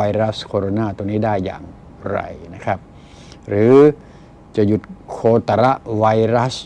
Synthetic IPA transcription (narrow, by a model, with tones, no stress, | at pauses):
a˧ɾa˦˥skʰoː˧ɾoː˧naː˧˩t̪u˧niː˦˥˩daː˥˩jːa̰ː˨˩ŋ | ɾa̰˧˩jna˧˥kʰa˦˧˩p̚ | ɾɯː˨˦ | t͡ɕa˧˩ju˧˩t̪̚kʰoː˧t̪a˧ɾa˦˥ʔwa˧jɾa˦˥s